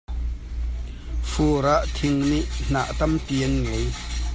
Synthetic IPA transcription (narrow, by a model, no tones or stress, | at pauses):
fuːɾaʔt̪ʰɪŋniʔn̥a̰ʔt̪ɐmpiənŋej